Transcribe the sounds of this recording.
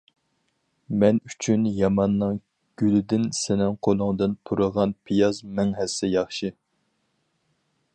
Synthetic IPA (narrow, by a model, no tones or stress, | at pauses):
mɛnyt͡ʃʰynjɑmɑnːɨŋ | ɡ̥ʲylɪd̪ɪnsɪnɪŋqʰolˠʊŋd̪ɨnpʰuɾɨʁɑnpʰijɑzmɛŋɦɛsːɛjɑχʃi